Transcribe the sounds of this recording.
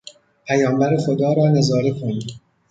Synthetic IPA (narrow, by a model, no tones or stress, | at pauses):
pʰæjɒːmbæɾexod̪ɒːɾɒːnezɒːɾekʰoniː